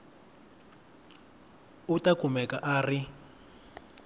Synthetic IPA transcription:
utakumɛkaʔaːri

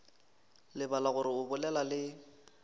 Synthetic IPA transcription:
lɪbalaɣʊɾɪʊbʊlɛlalɪ

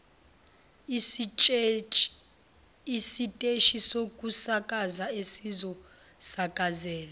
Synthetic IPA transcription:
isitʼeʃisokʼusakʼazaesizɔ | sakʼazɛːla

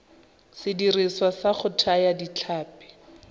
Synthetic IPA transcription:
sɪdiriswasaχʊtʰajadit͡ɬʰaːpɛ̥

